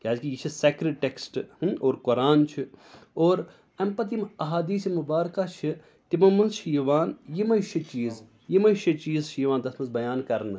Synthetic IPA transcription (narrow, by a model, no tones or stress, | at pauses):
kʲaːd͡ʒkijit͡ʃʰiseːkɾiʈeksʈoːɾkʊɾaːnt͡ʃʰioːɾ | ɐmpɐt̪̬imɐɦaːd̪iːsimʊbaːɾkat͡ʃʰi | t̪imɐmɐnzt͡ʃʰijiʋaːnjimɐjʃʰit͡ʃiːz | jimɐʃʰɐt͡ʃiːzʃijʋaːnd̪ɐsmɐnzbɐjaːnkɐɾn